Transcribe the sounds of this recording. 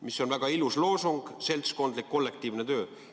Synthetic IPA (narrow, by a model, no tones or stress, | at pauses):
miso̞nvæɡ̥ɑiluslo̞ːsuŋɡ̥se̞lʲt̪sko̞nd̪likːo̞lːe̞k̚t̪iːvnet̪ø̞ː